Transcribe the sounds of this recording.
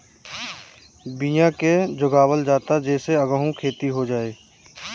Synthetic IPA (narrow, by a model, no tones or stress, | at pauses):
bijãked͡ʒʊɡaːwəld͡ʒaːt̪ad͡ʒɛːseɐɡəɦũkʰeːt̪iɦod͡ʒaːeː